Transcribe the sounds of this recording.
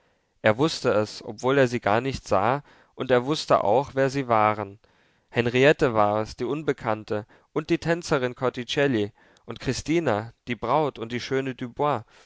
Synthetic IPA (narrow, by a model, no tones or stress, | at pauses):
ʔeːɐvʊstəɛsʔɔ̰pv̥oːleːɐziːɡaːɐnɪçtz̥aː | ʔʊnteːɐvʊstə̰ʔa̰ʊxv̥eːɐziːvaːʁən | hɛnʁiɛtəvaːɐɛsd̥iːʔʊnbəkʰantə | ʔʊnt̚d̥iːtʰɛnt͡sɐʁ̞ɪnkʰɔɐtit͡ʃɛli | ʔʊntkʁ̥ɪstiːnad̥iːbʁaʊtʊnt̚d̥iːʃøːnədybwa